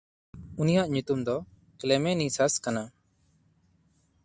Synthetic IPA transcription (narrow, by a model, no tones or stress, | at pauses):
unijaʔɲut̪umd̪ɔ | klɛmɛnisaskana